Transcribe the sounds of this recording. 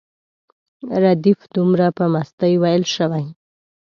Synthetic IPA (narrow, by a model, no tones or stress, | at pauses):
ɾad̪ifd̪umɾapəmast̪əjwajɪlʃəwaj